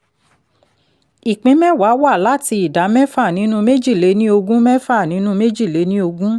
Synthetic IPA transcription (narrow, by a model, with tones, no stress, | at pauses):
i˨k͡pĩ˨˦mɛ̃˦˨wa˨˦wa˦˨la˦ti˧i˨da˨˦mɛ̃˦fa˦˨nĩ˨˦nũ˦me˦d͡ʒi˦˨le˨˦nĩ˦o˧ɡũ˦mɛ̃˦fa˦˨nĩ˨˦nũ˦me˦d͡ʒi˦˨le˨˦nĩ˦o˧ɡũ˦